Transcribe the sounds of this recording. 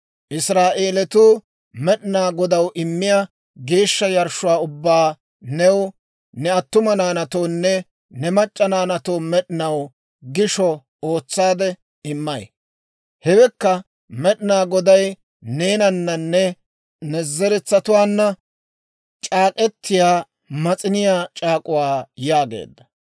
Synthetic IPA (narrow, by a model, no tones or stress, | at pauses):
ʔɪsɾaːʔeːlɛt̪uː | mɛɗɪnaːɡɔd̪ɐwʔɪmːɪja | ɡe̞ːʃːɐjɐɾʃʊwaːʊbːaː | nɛw | nɛɐt̪ːʊmɐnaːnɐt̪oːnːɛ | nɛmɐt͡ʃʼːɐnaːnɐt̪oːmɛɗɪnɐw | ɡɪʃɔ | o̞ːt͡sːaːd̪ɛ | ɪmːɐj | hɛwɛkːɐ | mɛɗɪnaːɡɔd̪ɐj | ne̞ːnɐnːɐnːɛ | nɛzɛɾɛt͡sːɐt̪ʊwaːnːɐ | t͡ʃʼaːkʼɛt̪ːɪjaː | mɐt͡sʼɪnɪjaːt͡ʃʼaːkʼʊwaːjaːɡe̞̰ːd̪ːɐ̥